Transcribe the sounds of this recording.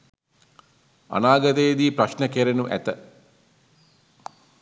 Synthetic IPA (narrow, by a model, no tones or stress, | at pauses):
ɐ̰naːɡɐd̪eːd̪iːpɾɐʃnɐkeɾenuʔæ̰t̪ə